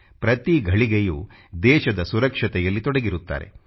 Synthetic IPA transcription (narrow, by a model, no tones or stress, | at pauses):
pɾɐt̪iɡʱɐɭiɡejuː | d̪ɛːʃɐd̪ɐsuɾɐkʂɐt̪ɛjɐlːit̪ɔɽɐɡiɾut̪ːa̰ːɾḛ